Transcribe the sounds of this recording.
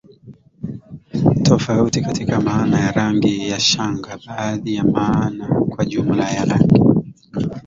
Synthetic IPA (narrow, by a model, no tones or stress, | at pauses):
tʰɔfautikatikamaːnajaɾaŋɡijaʃaŋɡaɓaːðijamaːnakwaʄum̩lajaɾaŋɡi